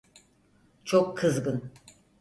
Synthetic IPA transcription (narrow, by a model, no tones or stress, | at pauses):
t͡ʃʰokʰːɯzɡɯn